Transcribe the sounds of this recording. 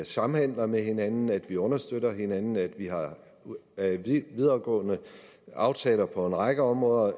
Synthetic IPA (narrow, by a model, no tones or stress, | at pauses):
sɑ̈m̩hen̰lɐmeɦe̝nænn̩æd̥ʋiɔ̽nɐsd̥ød̥ɐɦe̝nænn̩æd̥ʋihɑ̈ | ʋið̞ˠɐːɡ̥ɔ̰̽ːnə | ʔɑ̈ʊt͡sʰɛ̰ːlɐpʰɒ̽e̝nʁɑ̈ɡ̥əɒ̽mʁɔ̽ːðˠɐ